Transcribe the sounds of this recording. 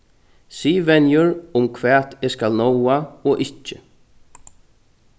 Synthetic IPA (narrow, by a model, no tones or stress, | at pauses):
siːʋɛnjʊɹʊmkʰʋɛːt̪eːskalnɔwaoːʔɪht͡ʃːə